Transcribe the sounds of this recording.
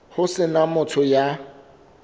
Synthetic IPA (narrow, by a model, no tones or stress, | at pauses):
hʊsɪnamʊtʰɔja